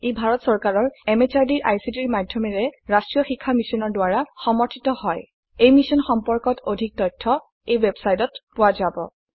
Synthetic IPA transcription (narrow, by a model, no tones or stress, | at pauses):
ejbʱaɹɔtsɔɹkaɹɔɹɛmet͡ʃaɹdiɹʔajsidiɹmadʱjɔmɛɹɛɹastɹijɔxikʰːamisɔnɔɹdʊaɹaxɔmɔɹtʰitɔhɔj | ejmisɔnxɔmpɔɹkɔtʰodʱik̚tɔjtʰːɔ | ejwɛbsajtɔtpʊwazabɔ̰